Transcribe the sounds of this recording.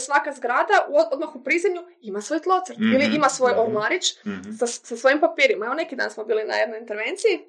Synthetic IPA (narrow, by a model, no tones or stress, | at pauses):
sʋakazɡɾaːd̪aod̪maxupɾizemɲu | imasʋo̞jt̪lˠot̪əɾt̪iliimasʋo̞jolmaɾit͡ʃsasasʋo̞jimpapiːɾimaeʋonekid̪a̰ːnsmo̞biːlina̰jed̪nojint̪e̞ɾʋe̞nt̪siji